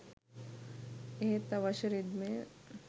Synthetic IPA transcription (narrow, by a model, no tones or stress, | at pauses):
et̪ɐʋɐʃɾid̪me